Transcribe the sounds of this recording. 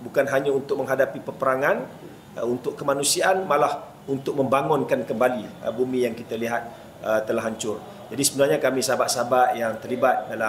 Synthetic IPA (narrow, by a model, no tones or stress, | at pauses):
bukanɦaɲãunt̪ʊk̚mə̃ŋɦadapipəpəɾaŋan | unt̪ʊkkːəmanusiaʔːnmalah | unt̪ʊk̚mə̃mbaŋʊnkankəmbaliəbumĩjaŋkit̪aliɦat̪̚ | ət̪əlaɦaɲt͡ʃʊr | d͡ʒadisəbənarɲakamĩsabaʔsabaʔjaŋt̪ərlibat̪̚dala